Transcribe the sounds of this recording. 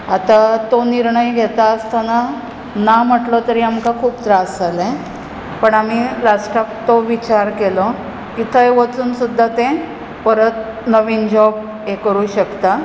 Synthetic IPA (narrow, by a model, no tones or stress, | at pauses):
at̪at̪oniɾɳəjɡʱet̪aəst̪ana | nam̤əʈlɔt̪əɾiamkakʰuːpt̪ɾasalẽ | pəɳam̤ilasʈakt̪oʋit͡ɕaɾkelɔ | kit̪ʰəjʋət͡suːnsud̪ʱːat̪ẽ | pəɾət̪̚ | nəʋiːnd͡ʑɔb | ekəɾuɕəkt̪a